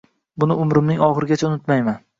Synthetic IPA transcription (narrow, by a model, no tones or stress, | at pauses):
bʊnɪʊmɾɪmnɪŋɒχɨɾɪɡʲat͡ʃʰaʊnʊt̪majman